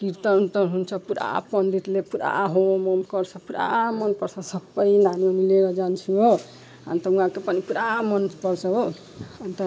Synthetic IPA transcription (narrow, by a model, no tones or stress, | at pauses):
kiɾt̪ʌnt̪ʌɦunt͡ʃʰʌpuɾa̰pʌnd̪it̪lepuɾa̰ɦomomkʌɾt͡ʃʰʌpuɾa̰mʌnpʌɾsʰʌsʌbəjnanionileɾʌd͡ʒant͡ʃʰuo | ɦa̰nt̪ʌũɦãkepənipuɾamʌnpʌɾsʰʌɦo | ant̪ʌ